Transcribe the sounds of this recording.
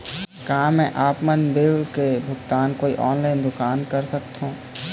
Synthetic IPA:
kaɦãmɛ̃ʔaːpmənbɪlkebʱʊɡt̪aːnkoːiʔɔːnlaːɪnd̪ʊkaːnkəɾsəkt̪ɦõː

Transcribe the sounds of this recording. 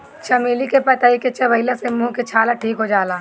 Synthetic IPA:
t͡ʃɐmiːlikepɐt̪aːiket͡ʃɐʋɐɪlasemũːket͡ʃʰaːlaʈʰiːkɦod͡ʒaːlaː

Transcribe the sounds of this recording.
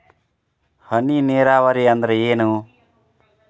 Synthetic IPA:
həniːneːɾaːʋaɾiːənd̪ɾəjeːnuː

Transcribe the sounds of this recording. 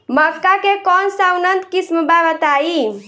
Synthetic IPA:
məkːakekɔnsawnənt̪kisməbaʋət̪ai

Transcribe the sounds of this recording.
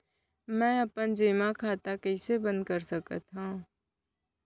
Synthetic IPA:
mɛ̃ːəpənd͡ʒiːmãkʰaːt̪akəɪsebə̃nd̪̚kəɾsəkət̪ɦãː

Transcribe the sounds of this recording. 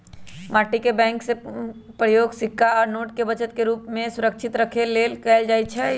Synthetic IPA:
maːʈikebɛ̃ːŋkse | pɾəjoːɡsɪkʰːaɔːɾnoːʈkebət͡ʃət̪̚keɾuːpmẽsʊɾəkʃʰɪt̪ɾəkʰeleːlkɛld͡ʒaːit͡ʃʰɛ

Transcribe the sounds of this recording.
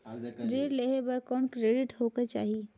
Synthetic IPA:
ɾeːɾleɦebɐɾkɔːnkɾeːɖɪʈhoːket͡ʃaːɦi

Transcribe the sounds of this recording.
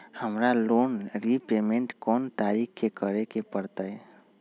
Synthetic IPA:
həmɾalonɾipemeɳʈkɔnt̪aɾikkekəɾekepəɾt̪əj

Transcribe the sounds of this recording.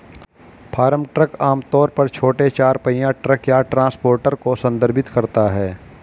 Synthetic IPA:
pʰaːɾəmʈɾəkaːmt̪ɔːɾpɐɾt͡ʃʰoːʈet͡ʃaːɾpəjãʈɾəkjaːʈɾãːspoːɾʈəɾkosə̃nd̪əɾbʱɪt̪kɐɾt̪aɦɛː

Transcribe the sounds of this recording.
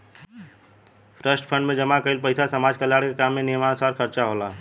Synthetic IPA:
pʰɾəsʈpʰə̃ɳɖmẽd͡ʒəmakəilpəɪsasəmaːd͡ʒkəljaːɽkekamːenijmansaːɾkʰəɾt͡ʃaɦola

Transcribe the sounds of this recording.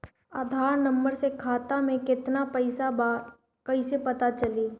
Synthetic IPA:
aːd̪ʱaːɾnɐ̃mbəɾsekʰaːt̪amẽkɪt̪napɛɪsaba | kɐisepɐt̪at͡ʃɐliː

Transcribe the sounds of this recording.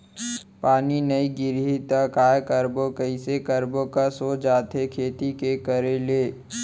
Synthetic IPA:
paːninəiɡɪɾɦit̪ɐkaːjkəɾbokəɪsekəɾbõkasoːd͡ʒaːt̪ʰekʰeːt̪ikekəɾeleː

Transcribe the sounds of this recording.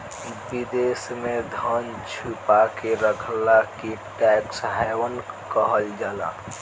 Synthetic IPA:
bid̪esmed̪ʱən | t͡ʃʰupakeɾəkʰlakiʈɛksɦajwənkəɦəld͡ʒala̰

